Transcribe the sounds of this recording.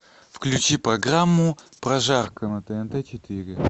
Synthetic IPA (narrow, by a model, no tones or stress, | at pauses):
fklʲʉt͡ɕipɾɐɡɾamːʊpɾɐʐarkənət̪əɛnt̪ɛt͡ɕɪt̪ɪɾʲɪ